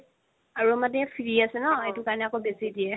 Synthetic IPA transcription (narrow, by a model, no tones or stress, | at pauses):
aɹuamatɛfʰiɹiasɛnɔetʊkaɹɔnɛakobesidiɛ